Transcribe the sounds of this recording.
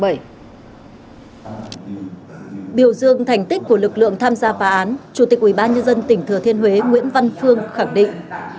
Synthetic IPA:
j | ɓi˧˩əwzɨ˧˨əŋt̪ʰa˨˩jŋ̟t̪i˦˥k̚ku˧˩əlɨ˨˩k̚lɨ̰˧˨əŋt̪ʰaː˧mzaː˧faː˨˦ʔaː˨˦nt͡ɕu˧˩t̪ï˨˩k̚wi˧˩ɓaː˧nɲə˧nzə˧nt̪ï˨˩ŋ̟t̪ʰɨ˨˩ət̪i˧ənɦwe˨˦ŋwḭ˧˥ənva˧nfɨ˧əŋxa˧˩ŋɗḭ̈˧˨ŋ

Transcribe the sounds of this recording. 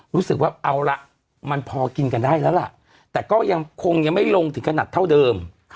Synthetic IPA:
ɾuː˦˥sɯ˨˩k̚waː˥˩ʔa˧wla˦˩ʔ | ma˧npʰɔː˧ki˧nka˧ndaː˥˩jlɛː˦˥wla̰˨˩ʔ | t̪ɛː˨˩kɔː˥˩ja˧ŋkʰo˧ŋja˧ŋma˥˩jlo˧ŋt̪ʰɯ˩˦ŋkʰa˧naː˨˩t̪ʰːa˥˩wdɤː˧mʰ˦

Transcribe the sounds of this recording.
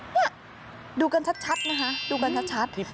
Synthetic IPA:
ni˥˩ | duː˧ka˧nt͡ɕʰa˦˥t̪̚t͡ɕʰa˦˥t̪̚na˦˥kʰa˦˥duː˧ka˧nt͡ɕʰa˦˥t̪̚t͡ɕʰa˦˥t̪̚

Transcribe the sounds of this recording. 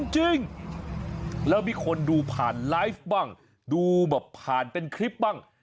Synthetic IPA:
nt͡ɕi˧ŋ | lɛː˦˥wmiː˧˩kʰo˧nduː˧pʰaː˨˩nlaː˦˥˩jf̚baː˥˩ŋ | duː˧bɛː˨˩pʰːaː˨˩npe˧nkʰɾi˦˥p̚baː˥˩ŋ

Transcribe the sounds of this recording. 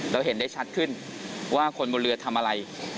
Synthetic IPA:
ɾa˧wɦe˩˦nda˥˩jt͡ɕʰa˦˥t̪̚kʰɯ˥˩n | waː˥˩kʰo˧nboː˧ɾɯ˧ɐt̪ʰa˧mʔa˧ɾa˧j

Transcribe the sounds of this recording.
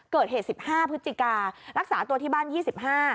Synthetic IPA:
kɤː˨˩t̪̚heː˨˩si˨˩p̚haː˥˩pʰɯ˦˥t̪t͡ɕi˨˩kaː˧ɾa˦˥k̚saː˩˦t̪u˧ət̪ʰiː˥˩baː˥˩njiː˥˩si˨˩p̚haː˥˩

